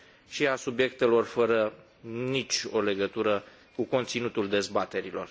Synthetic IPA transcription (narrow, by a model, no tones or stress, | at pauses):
ʃiasubje̞k̚t̪e̞lo̞rfəɾə | nit͡ʃʲo̞le̞ɡət̪uɾə | kuko̞nt̪sinut̪uld̪e̞zbat̪e̞ɾilo̞̰r